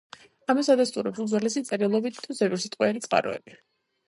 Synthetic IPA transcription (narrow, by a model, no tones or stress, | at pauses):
amasad̪ast̪ʼuɾɛpsud̪zwalɛsit̪sʼɛɾilˠɔbit̪ʰuzɛbiɾsit̪ʼqʼwɛɛɾit̪sʼqʼa̰ɾɔ̰ɛ̰b̥i